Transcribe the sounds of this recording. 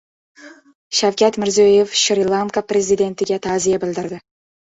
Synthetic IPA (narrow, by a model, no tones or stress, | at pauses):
ʃawkʲat̪mɪɾzejefʃɾʲilˠankaprʲezid̪e̞nt̪ɪɡʲat̪ʰazijabɪld̪ɪɾd̪ɪ